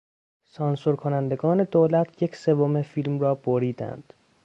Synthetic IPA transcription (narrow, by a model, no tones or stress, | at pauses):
sɒːnsoɾkʰo̞nænd̪e̞ɡɒːne̞d̪oːlæt̪ʰjecʰse̞vome̞fiːlmrɒːb̥oɾiːd̪æ̰nd̪̥